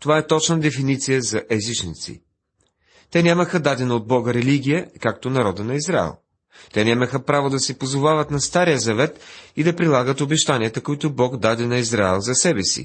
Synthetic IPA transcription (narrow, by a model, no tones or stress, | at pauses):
t̪ovaɛt̪ɔt͡ʃnəd̪ɛfinit̪sijəzɐʔɛzit͡ʃnit̪sḭ | t̪ɛnʲaməxəd̪ad̪ɛnɐod̪̚bɔɡəɾɛliɡ̟ʲijəkak̚t̪onɐɾɔd̪ənɐizɾa̰ɛ̰lˠ | t̪ɛnʲaməxəpɾavod̪ɐsɛpozovavət̪nɐst̪aɾijəzɐvɛt̪id̪ɐpɾilˠaɡət̪obɛʃt̪anʲiət̪əkoit̪ʊbɔɡd̪ad̪ɛnɐizɾaɛlˠzɐsɛbɛsḭ